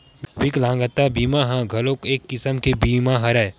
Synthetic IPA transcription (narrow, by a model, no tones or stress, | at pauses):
bwiklãːŋɡət̪ːabiːmaɦãɡʱɐlõkeːkːɪsəmkebiːmaɦɐɾa